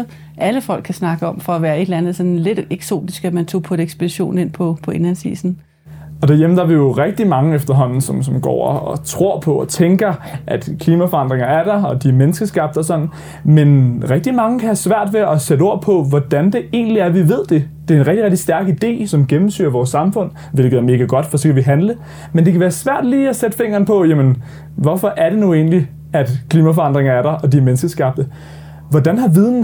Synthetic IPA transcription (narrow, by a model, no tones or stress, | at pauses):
ʔæləfɒ̽l̰ɡkʰːæsnɑ̈ɡ̥əɒ̽mfɒ̽æʋæːɐe̝d̥lænð̩ˠsɒ̽nle̝d̥eɡ̥so̝̰ːd̥isɡ̥æmænt͡sʰo̰ːpʰɒɾeɡ̥sb̥ediɕo̝̰ːne̝npʰɒ̽pʰɒ̽e̝nhænsḭːsn̩ | ɒ̽d̥æɐjemn̩d̥ɑʋijo̝ʁɛɡ̥̚d̥imɑ̈ŋəefd̥ɐɦɒ̽n̰n̩sɒ̽msɒ̽mɡ̥ɒ̰ːɒɒ̽t͡sʰʁo̝ɐ̰pʰɒ̽ɒ̽t͡sʰeŋɡ̥ɐʔæd̥kʰliːmæfɒ̽ɑ̈n̰d̥ʁeŋɐæɐd̥ɑɒ̽d̥imenəsɡ̥əsɡ̥ɑ̈b̥d̥ɒ̽sɒ̽n̰n̩ | menʁɛɡ̥̚d̥imɑ̈ŋəkʰæhæsʋæɐ̰d̥ʋe̝ɒ̽sed̥əo̝ɐ̰pʰɒ̽ʋɒd̥ænd̥e̝e̝̰ːnliæɐʋiʋe̝ð̰ˠd̥e̝d̥e̝æɐenʁɛɡ̥d̥iʁeɡ̥̚d̥i̥sd̥æɐɡ̥id̥e̝̰ːsɒ̽mɡ̥emm̩sy̰ːɐʋɒːsːɑ̈mfɔ̽n̰ | ʋe̝l̰ɡ̥əð̩ˠæɐme̝ːɡ̥æɡ̥ɒ̽d̥fɒ̽sɒ̽kʰæʋiɦænlə | mend̥e̝kʰæʋæːɐsʋæɐ̰d̥liːæsed̥əfe̝ŋ̰ɐːn̩pʰɒ̽jæmən | ʋɒfɒ̽ʔæɐd̥e̝nue̝̰ːnli | æd̥kʰliːmæfɒ̽ɑ̈nd̥ʁeŋɐæɐɾ̥ɑʔɒ̽d̥iɐmensɡ̥əsɡ̥ɑ̈b̥̚d̥ə | ʋɒd̥ænɦɑ̈ʋið̞ˠn̩